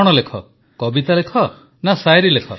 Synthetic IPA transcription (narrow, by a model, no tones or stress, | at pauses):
ɔɽ̃ɔlekʰɔ̰ | kɔbit̪alekʰɔ | nasajɾilekʰɔ